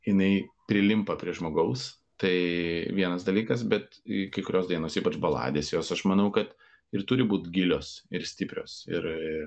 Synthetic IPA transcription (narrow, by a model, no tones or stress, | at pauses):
jɪnɐɪpʲɾʲɪlʲɪmpɐpʲɾʲiɛʒmoːɡɐʊs | t̪ɐɪʋʲiɛnɐsd̪ɐlʲiːkɐs̬bʲɛt̪kɐɪkʊɾʲoːsd̪ɐɪnoːsiːpɐt͡ʃbɐlˠɑ̰ːd̪ʲeːsjoːsɐʃmɐnɐʊkɐt̪ | ɪɾt̪ʊɾʲɪbuːt̪ɡʲɪlʲoːsɪɾsʲt̪ʲɪpʲɾʲo̰ːsɪ̰ɾɪ